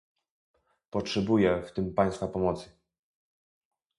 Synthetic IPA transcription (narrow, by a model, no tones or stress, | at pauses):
pɔtʂɛbujɛft̪ɘmpaj̃st̪fapɔmɔt̪sə